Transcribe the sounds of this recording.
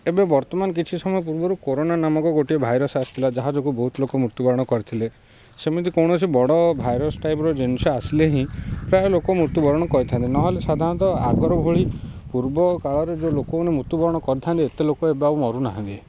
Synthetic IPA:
ebebɔɾt̪ɔmanɔk̬it͡ʃʰisɔmɔjɔp̬uɾbɔɾukoɾonanamɔkɔɡoʈiebʱajɾɔsast̪ʰilad͡ʒaɦad͡ʒɔkubɔɦut̪ɔlokɔmɾuɾt̪jubɔɾɔɽ̃ɔkɔɾit̪ʰile | semid̪ikɔwɽ̃ɔsʰibɔɽɔbʱajɾɔsʈajpɔɾɔd͡ʒensɔasileɦĩpɾajɔlokɔmɾut̪jubɔɾɔɽ̃ɔkɔɾit̪ʰant̪inɔɦɔlesad̪ʱaɾɔ̃nt̪ɔa̰ɡɔɾɔbʱoɭipuɾbɔkaɭɔɾed͡ʒolokɔonemɾut̪ubɔɾɔɽ̃ɔkɔɾit̪ʰant̪iet̪elokɔebeaumɔɾuna̰ɦãnt̪i

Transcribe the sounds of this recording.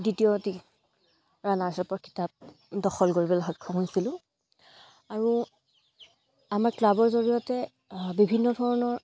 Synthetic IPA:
ditijɔti | ɹanaɹsɛpɔki̥tap̚ | dɔxɔlɡoɹibɔlaɦɔjkʰːɔɦojsilʊ̃ | aɹu | amaɹklabɔɹzoɹijɔtɛ | bibʱinːɔdʱɔɹɔnɔɹ

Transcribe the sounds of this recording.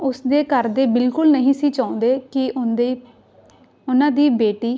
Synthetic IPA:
ʊsd̪eːkəɾd̪eːbɪlkʊlnəɦĩːsiːt͡ʃaːʊ̃nd̪eːkɪe | ʊnãːd̪iːbeːʈiː

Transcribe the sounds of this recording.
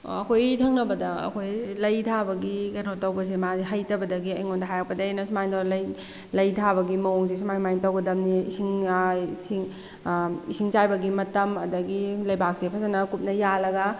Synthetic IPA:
ɐkʰojtʰɐŋnɐbɐdɐɐ̰kʰojlɐjtʰabɐɡikɐnotɐwbɐs̬emaziɦajtɐbɐdɐɡiɐjŋondɐɦajak̚pɐdɐenɐsumajntʰalɐj | lɐjtʰabɐɡimɐwɔŋsis̬umajmajŋtɐwɡɐdɐmniḭsiŋsiŋ | isiŋt͡ʃajbɐɡimɐtɐmɐdɐɡilɐjbak̚sepʰɐzɐnɐkup̚nɐjalɐɡɐ

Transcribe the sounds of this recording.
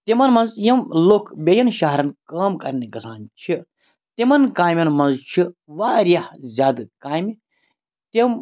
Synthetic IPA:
t̪imɐnmɐnzjɐmloːkbʲɐjɐnʃaɦɾɐnkaːmkɐɾnikɐsaːnt͡ʃʰi | t̪imɐnkaːmʲjɐnmɐnzt͡ʃʰiʋaːɾjɐhzʲaːd̪ɨkaːm | t̪im

